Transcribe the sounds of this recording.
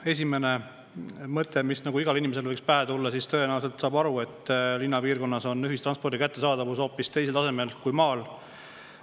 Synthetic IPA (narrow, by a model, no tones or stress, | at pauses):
e̞s̬ʲime̞ne̞ | mɤt̪ːˑemisnɑɡuiɡɑlinimese̞lvɤ̞jkspæɦet̪ulːɑsist̪ø̞enæwse̞lt̪sɑːbɑɾue̞t̪ːlinːɑpiːrko̞nːɑso̞nyɦist̪rɑnspo̞rd̪ikæt̪ːe̞sɑːd̪̥ɑvuso̞ːpːist̪e̞js̬elt̪ɑse̞me̞lkujmɑːl